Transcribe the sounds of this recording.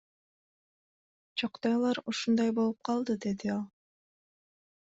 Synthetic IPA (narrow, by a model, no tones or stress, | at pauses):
t͡ʃʰɑqt̪ɑjlˠɑɾuʃund̪ɑjbo̞lˠup̚qʰɑlˠd̪ɯd̪e̞d̪iɑlˠ